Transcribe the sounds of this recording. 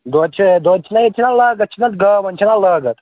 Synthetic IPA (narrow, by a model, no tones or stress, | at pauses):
d̪oːt͡ʃʰied̪oːt͡ʃʰinɐjit͡ʃʰinɐlaːɡɐt̪̚t͡ʃʰinɐt̪ɡɐːmɐnʲt͡ʃʰinɐlɐːɡɐt̪